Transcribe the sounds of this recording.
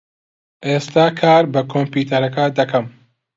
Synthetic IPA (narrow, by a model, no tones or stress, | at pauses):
ʔeːst̪aːkʰaːɾbɐkʰoːmpiːt̪ʰɐɾɐkad̪ɐkʰɐm